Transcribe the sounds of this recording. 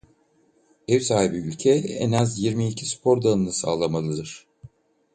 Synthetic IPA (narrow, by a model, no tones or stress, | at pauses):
ɛvsaːhibiylʲcʰɛɛ̰nazjiɾmiːcʰispʰo̞ɾd̪anɯnɯsaːlˠamalˠɯd̪ɯɾ̥